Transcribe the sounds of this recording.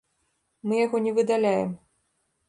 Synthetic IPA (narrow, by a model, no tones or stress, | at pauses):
mɨjaɣɔnʲɛvɨd̪alʲajɛm